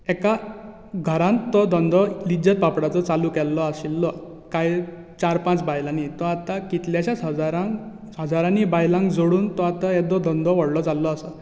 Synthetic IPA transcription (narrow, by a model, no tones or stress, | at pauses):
ɛka | ɡʱəɾãnt̪ːɔd̪ʱɔnd̪ʱɔlid͡ʑət̪̚papɽat͡sɔt͡salukɛlːɔaɕilːɔ | kaj | t͡ɕaɾpãt͡sbajlanit̪ɔat̪akit̪ljaɕasd͡zaɾãŋ | əd͡zaɾanibajlãŋkd͡zoɽuːnt̪ɔat̪aɛd̪ɔd̪ʱɔ̃nd̪ʱɔʋɔɽlɔt͡salːɔːsə